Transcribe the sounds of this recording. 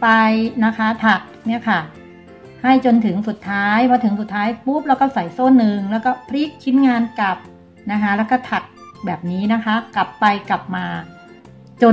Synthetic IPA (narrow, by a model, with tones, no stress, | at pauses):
pa˧jna˦˥kʰa˦˥t̪ʰa˨˩k̚mi˥ɐkʰa˥˩ | ha˥˩jt͡ɕo˧nt̪ʰɯ˩˦ŋsu˨˩t̪ʰːaː˦˥jbɔː˧t̪ʰɯ˩˦ŋsu˨˩t̪ʰːaː˦˥jpu˦˥˩p̚lɛː˦˥wkɔː˥˩sa˨˩jsoː˥˩nːɯ˨˧ŋlɛː˦˥wkɔː˥˩pʰɾi˦˥˩k̚t͡ɕʰi˦˥nŋaː˧nka˨˩p̚ | na˦˥kʰa˦˥lɛ˦˥wkɔː˥˩t̪ʰa˨˩k̚ | bɛː˨˩p̚niː˦˥na˦˥kʰa˦˥kla˨˩pːa˧jkla˨˩p̚maː˧ | t͡ɕo˧